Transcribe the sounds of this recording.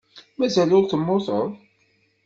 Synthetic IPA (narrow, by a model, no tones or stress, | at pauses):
mæzælʊɾθəmːʊθˤəðˤ